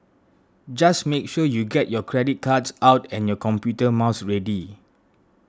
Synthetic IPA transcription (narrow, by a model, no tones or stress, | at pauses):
d͡ʒasmek̚ʃɔjuɡɛt̚jɔkʰɹɛdit̚kʰadsawtɛ̃njɔkɔ̃mpjutəmaʊsɹɛdi